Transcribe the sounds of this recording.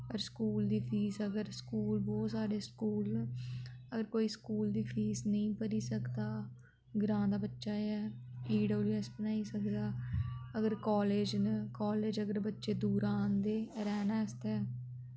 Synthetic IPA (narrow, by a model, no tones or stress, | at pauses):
pəɾskuːld̪iːpʰiːsəɡəɾskuːlboːsaːɖeːskuːln | əɡəɾkoːiːskuːld̪iːpʰiːsnəĩːpəɾiːsəkd̪aː | ɡɾãːd̪aːbətːʃaːɛːiːɖoːliːəspənaːiːsəkd̪aːəɡəɾkɔːleːd͡ʒnkɔːleːd͡ʒəɡəɾbətːʃeːd̪uːɾaːnd̪eːɾɛːnaːəst̪ɛː